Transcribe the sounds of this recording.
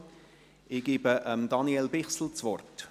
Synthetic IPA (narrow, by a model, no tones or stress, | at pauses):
ɪɡ̥iːbəʔəmd̥ɑniɛlbɪχsl̩t͡sʋɔrt